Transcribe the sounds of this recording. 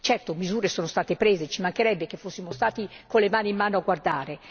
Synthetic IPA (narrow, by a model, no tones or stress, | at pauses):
t͡ʃɛrt̪omizuːɾesoːnost̪aːt̪epɾeːzet͡ʃimaŋkeɾɛbːekefːosːimost̪aːt̪ikolemaːnimːaːnoaɡward̪aːɾe